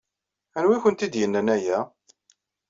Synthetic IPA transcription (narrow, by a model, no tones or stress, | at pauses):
ænwiçənt̪id̪jənːənæjæ